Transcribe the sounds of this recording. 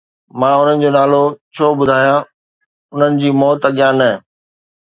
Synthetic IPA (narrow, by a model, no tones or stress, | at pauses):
mãːʊn̤ənɪ̆d͡ʑoːnaːlot͡ɕʰoːbʊd̪ʱaːjã | ʊn̤ənɪ̆d͡ʑiːmɔːt̪ɐɠjãnɐ